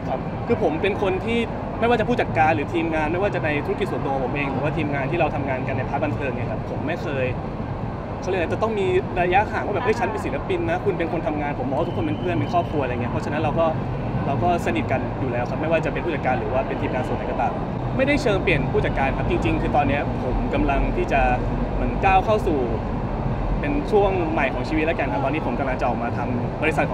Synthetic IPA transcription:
kʰa˦p̚ | kʰɯː˧pʰo˩˦mpe˧nkʰo˧nt̪ʰiː˥˩ | ma˥˩waː˥˩a˨pʰuː˥˩t͡ɕa˨˩kaː˧nɾɯː˩˦t̪ʰiː˧mŋaː˧nma˥˩jwaː˥˩t͡ɕa˨˩ʔna˧jt̪ʰu˦˥˦ki˨˩su˩˦ndo˧˨pʰo˩˦ʔeː˧ŋlɯː˨˩˦waː˥˩t̪ʰiː˧mŋaː˧nt̪ʰiː˥˩ɾa˧wt̪ʰa˧mŋaː˧nka˧nːa˧jpʰa˦˥k̚ba˧nt̪ʰɤː˧ŋni˧˥ɐkʰa˦˥pʰːo˩˦mːa˥˩jkʰɤː˧jʰ | lt͡ɕt̪ɔ˥˩ŋmiː˧ɾaː˧ja˦˥ʔkʰaː˨˩˦ŋwaː˥˩ɛ˨˩pʔə˥˩jt͡ɕʰa˦˥npe˧nsi˩˦˥la˦˥pi˧nːa˦˥kʰu˧np̬e˧nkʰo˧nt̪ʰa˧mŋaː˧npʰo˩˦mɔː˧˦wa˥˩u˥kʰːo˧me˧npʰɯ˥˩ənmpe˧nkʰɔː˥˩p̚kʰlu˧ŋi˦˥ɐpʰɔ˦˥t͡ɕʰa˧na˦˥nɾa˧wkɔː˥˩ | ɾa˧wkɔː˥˩sa˧ni˨˩ka˧njuː˨˩lɛː˦˥wkʰa˦˥ma˥˩jwaː˥˩t͡ɕa˨˩pe˧npʰu˥˩t͡ɕa˨˩kaː˧nɾɯː˩˦waː˥˩pe˧˩ənt̪ʰiː˧˩kaː˧nso˨˩˦nha˨˦jkɔ˧t̪aː˨˩m | ma˥˩jda˥˩jt͡ɕʰɤː˧ŋpli˨˩ənpʰuː˥˩t͡ɕa˨˩kːaː˧nkʰa˦˥p̚t͡ɕi˧ŋt͡ɕi˧ŋkʰɯː˧t̪ɔː˧nːi˦˥ɐpʰo˩˦mka˧mla˧ŋt̪ʰiː˥˩t͡ɕa˨˩ | mɯ˩˦ənkaː˥˩wkʰa˥˩wsuː˨˩ | pe˧nt͡ɕʰu˥˩əŋma˨˩jkʰɔː˩˦ŋt͡ɕʰiː˧w̪̚lɛ˦˥kaː˧nkʰa˦˧mt̪ɔ˧nːiː˦˥pʰo˩˦mka˧mla˧ŋt͡ɕa˨ʔɔː˨˩k̚maː˧t̪ʰa˧m | bɔː˧li˧˥sa˨˩t̪̚ʰ

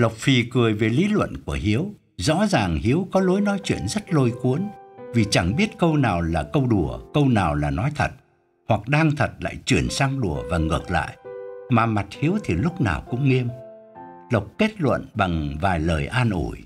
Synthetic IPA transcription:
lə˨˩wk͡p̚fi˨˩kɨ˨˩əjve˨˩li˨˦lwə̰˧˨nku˧˩əɦi˨˦əw | zɔ̰˧˥zaː˨˩ŋhi˨˦əwkɔ˨˦lo˨˦jnɔ˨˦jt͡ɕwḭ˧˨ənzə˦˥t̚lo˧jku˨˦ənvi˨˩t͡ɕa˧˩ŋɓi˦˥ət̚kə˧wnaː˨˩wlaː˨˩kə˧wɗu˧˩əkə˧wnaː˨˩wlaː˨˩nɔ˨˦jt̪ʰə˨˩t̚ | hwa˨˩k̚ɗaː˧ŋt̪ʰə˨˩t̚la̰ː˧˨jt͡ɕwi˧˩ənsaː˧ŋɗu˧˩əvaː˨˩ŋɨ˨˩ək̚la̰ː˧˨jʔmaː˨˩ma˨˩t̚hi˨˦əwt̪ʰi˨˩lʊ˦˥k͡p̚na̰ː˨˩wkʊ̰˧˥ŋ͡mŋe˧m | lə˨˩wk͡p̚ke˦˥t̚lwə̰˧˨nɓa˨˩ŋvaː˨˩jləː˨˩jʔaː˧nʔṵ˧˩j

